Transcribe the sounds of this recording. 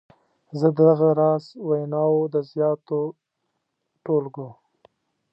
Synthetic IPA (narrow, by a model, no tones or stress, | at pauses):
zəd̪əd̪aɣaɾɑzwajnɑwod̪əzjɑːt̪o | ʈolɡu